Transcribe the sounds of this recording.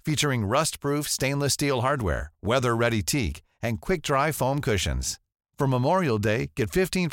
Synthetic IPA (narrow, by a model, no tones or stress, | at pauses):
fit͡ʃə˞ɪ̃ŋɹʌstpʰɹ̥ʉfstẽɪ̃nləstilˠɦɑɹd̚wɛ̰ɹwɛðə˞ɹɛɾitʰik | ɨ̃nkʰw̥ɪk̚d̥ɹaɪfõʊ̃mkʰʊʃɨ̰̃nz̥ | fɹʌ̃məmɔɹil̩ˠdeɪɡ̥ɛtfɪftʰĩn